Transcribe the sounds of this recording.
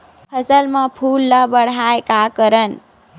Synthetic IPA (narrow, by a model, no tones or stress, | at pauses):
pʰəsəlmãpʰulːabəɽ̤ajkakəɾən